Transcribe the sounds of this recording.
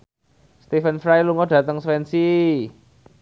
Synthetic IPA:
st̪ifənfɾajluŋɔɖ̥ä̤t̪əŋswɛnsi

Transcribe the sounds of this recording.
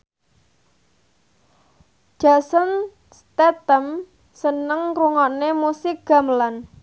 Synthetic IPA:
ʒ̥a̤sən | st̪ɛt̪əm | sənəŋruŋɔnemusɪk̚ɡ̥a̤məlan

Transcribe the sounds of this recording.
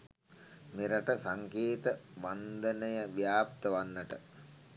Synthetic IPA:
meɾɐʈəsaŋkeːt̪əʋand̪ənəjəʋjaːp̚t̪əʋanːəʈə

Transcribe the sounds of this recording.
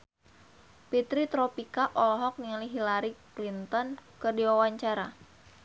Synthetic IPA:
pit̪ɾit̪ɾopikaʔɔlɦɔk̚niliɦilaɾiklint̪ɔnkɨrdiwawaɲt͡ʃaɾa

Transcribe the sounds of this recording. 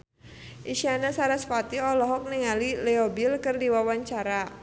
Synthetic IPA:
ʔiʃianasaɾasfat̪iɔlɔɦɔk̚niŋalilɛɔbilkɨrdiwawaɲt͡ʃaɾa

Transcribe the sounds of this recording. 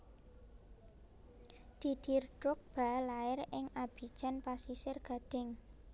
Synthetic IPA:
d̪̥id̪̥i̤rdɾʊk̚b̥a̤laɪrɪŋab̥i̤d̥ʒ̥anpasisɪrɡ̥a̤ɖ̥ɪ̤ŋ

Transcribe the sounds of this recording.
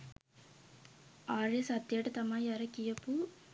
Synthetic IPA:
aːɾesɐt̪ːjeːʈɐt̪ɐmaːjɐɾɐkijɐpːu

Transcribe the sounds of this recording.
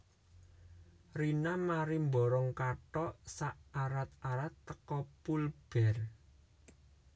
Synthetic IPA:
rinamaɾimbɔɾɔŋkaʈɔʔsaʔaɾat̪̚aɾat̪ːəkɔpulb̥ɛ̤r

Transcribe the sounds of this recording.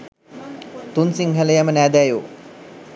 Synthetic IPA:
t̪unsiŋɦələjamənæːd̪æjoː

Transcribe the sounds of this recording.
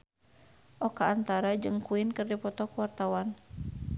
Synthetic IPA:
ʔɔkaːnt̪aɾad͡ʒɨŋkuinkɨrdipɔt̪ɔkuwart̪awan

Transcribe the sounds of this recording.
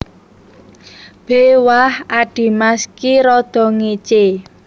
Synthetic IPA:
b̥ewahaɖ̥i̤maskiɾɔd̪̥ɔ̤ŋit͡ʃe

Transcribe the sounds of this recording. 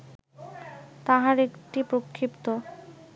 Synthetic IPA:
t̪aɦaɾekʈipɾokʰːipt̪o

